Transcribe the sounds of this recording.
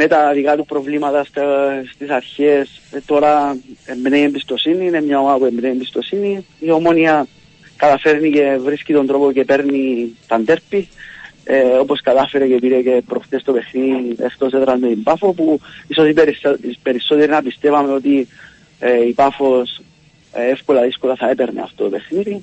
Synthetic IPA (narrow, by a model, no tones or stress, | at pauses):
met̪aðikat̪upɾo̞vlimat̪ɐst̪st̪isaɾçest̪o̞ɾaembnejembist̪o̞sininemɲaomapuembnejimbist̪o̞siniio̞mo̞niɐ | kat̪afe̞ɾnice̞vɾiscit̪o̞nd̪ɾo̞poce̞pe̞ɾnit̪ɐnd̪e̞ɾpieoposkaðafeɾekepiɾekepɾot̪est̪oβexniḛst̪oset̪ɾazmeimpafopuisosipeɾspeɾisoðiɾnapist̪eβameot̪i | eipafos | eefkwelaðiskoɾaθaepeɾnḭa̰ft̪oβexniɾi